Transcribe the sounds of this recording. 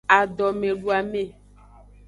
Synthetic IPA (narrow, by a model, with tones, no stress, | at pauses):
a˨ɖɔ˨mẽ˨ɖu˨a˨mẽ˦˨